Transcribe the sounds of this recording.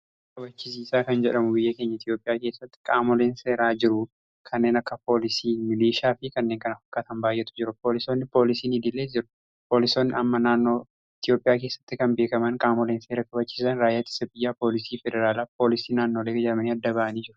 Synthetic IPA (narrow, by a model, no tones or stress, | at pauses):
kɐbɐt͡ʃːɪs̬iːsaːkɐnd͡ʒɛᶑɐmʊbɪjːɐke̞ːɲːɐɪt̪jo̞ːpʼɪjaːke̞ːsːɐt̪ːɪ̥kʼaːmɔleːnse̞ːɾaːd͡ʒɪɾʊ | kʰɐnːe̞ːnɐkːɐpʰo̞ːlɪsiːmɪliːʃaːfɪkɐnːeːŋkɐnɐfɐkːɐt̪ɐnbaːjʔːɛt̪ʊ̥d͡ʒɪɾʊpo̞ːlɪsoːnːɪpo̞ːlɪsiːnid̪ɪlːeːd͡ʒɪɾʊ̥ | po̞ːlɪsoːnːɪɐmːɐnaːnːoː | ɪt̪ɪjo̞ːpʼɪjaːke̞ːsːɐ̥t̪ːɪkɐnbe̞ːkɐmɐnkʼaːmɔleːnse̞ːɾɐkʼɐbɐt͡ʃːɪ̥sɐnɾaːjːat̪ːɪ̥sɐbɪjːaːpo̞ːlɪsiːfɛd̪ɛɾaːlaːpo̞ːlɪsiːnaːnːoleːɡd͡ʒɛᶑɐmɐniːɐd̪ːɐbaʔɐniːd͡ʒɪɾʊ̥